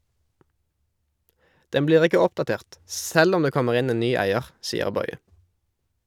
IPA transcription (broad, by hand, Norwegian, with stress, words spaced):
ˈdɛm ˈbliːʁ ˈɪkə ˈɔpdɑˌteːʁt ˈsɛl ˈɔm ˈdeː ˈkɔməʁ ˈɪn ˈeːn ˈnyː ˈæɪəʁ ˈsiːəʁ ˈbɔʏə